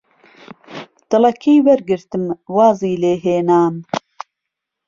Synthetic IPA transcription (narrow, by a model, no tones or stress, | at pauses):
t̪ɨlɐkʰiːwɐɾɡɨɾt̪ɨmwɑːziːleːɦeːnaːm